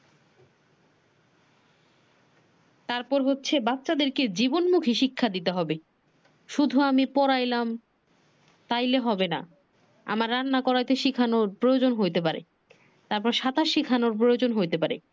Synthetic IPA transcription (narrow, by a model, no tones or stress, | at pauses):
t̪aɾpɔɾɦotːɕʰebapːɕad̪eɾked͡ʑibonmukʰiʃikʰːad̪it̪eɦɔbe | ʃud̪ʱuamipɔɾajlam | t̪ajleɦɔbena̰ | a̰maɾːanːakɔɾajt̪eʃikʰanoɾpɾojod͡ʑonɦojt̪ep̬aɾḛ | t̪aɾpɔɾʃat̪aʃikʰanoɾp̬ɾojod͡ʑonɦojt̪epaɾḛ